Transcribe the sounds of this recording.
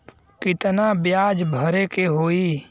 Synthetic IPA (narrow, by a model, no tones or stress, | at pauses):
kɪt̪nabjaːd͡ʒbʱəɾekeɦoːiː